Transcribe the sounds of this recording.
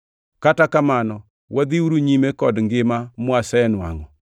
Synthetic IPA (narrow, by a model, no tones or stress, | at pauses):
katakamanɔ | wad̪iuɾuɲimekɔdŋɡɪmamʊasɛɛnwa̰ŋɔ